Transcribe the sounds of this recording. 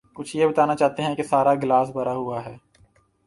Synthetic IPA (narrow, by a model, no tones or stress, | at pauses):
kʊt͡ʃʰjebɐt̪aːnat͡ʃaːɦt̪eɦɛ̃kesaːɾaɡlaːsbɐɾaɦʊaɦɛː